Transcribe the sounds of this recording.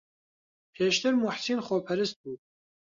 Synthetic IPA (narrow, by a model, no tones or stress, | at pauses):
pʰɛːʃt̪ʰɨɾmuħsinχɔpʰɛɾɨst̪̚bu